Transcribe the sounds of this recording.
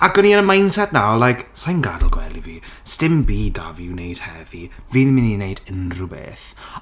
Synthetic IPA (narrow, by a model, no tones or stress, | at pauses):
aɡɔniənəmajnsadnalajksajnɡadl̩ˠɡwɛ̰lˠiviːstɪmbiːda̰viːwnejd̥hɛviviðmɪninejdənrubḛːθ